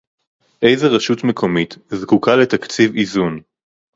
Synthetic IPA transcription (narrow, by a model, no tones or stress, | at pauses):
ʔe̞jzeʁeʃutmekʰo̞mit̪zkukalet̪akt͡sivizun